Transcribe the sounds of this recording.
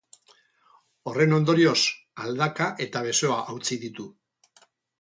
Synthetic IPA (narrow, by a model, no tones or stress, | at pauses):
o̞re̞no̞nd̪o̞ɾio̞s | ald̪akaʔe̞t̪aβ̞e̞so̞aʔawt͡siðit̪u